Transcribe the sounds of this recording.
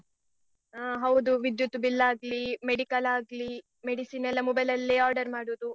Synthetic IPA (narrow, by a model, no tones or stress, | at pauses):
aːɦɐwd̪uʋid̪jut̪ːubilːaːɡlimeɽikɐlaːɡli | meɽisiːnɛlːɐmɔbɐlɐlːeːaːɾɖɐɾmaːɽuːd̪u